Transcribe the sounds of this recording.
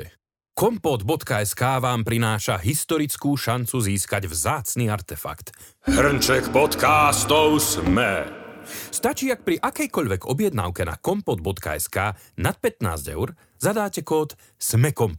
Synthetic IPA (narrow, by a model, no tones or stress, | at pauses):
kɔmpɔd̪bɔt̪kaɛskaːʋaːmpɾinaːʃaɦist̪ɔɾit͡skuːʃant͡suziːskaɟvzaːt͡sniːaɾt̪ɛfa̰kt̪ | hr̩nt͡ʃɛkpɔt̪kast̪ɔʊsmɛ | st̪at͡ʃiːak̚pɾiʔakɛjkɔʎʋɛɡɔbɪjɛd̪na̰ʊkɛna̰kɔmpɔd̪̚bɔt̪ka̰ɛskaː | nat̪̚pɛt̪na̰ːzɟɛ̰ʊɾ | zad̪aːcɛkɔːt̪ | smɛkɔmp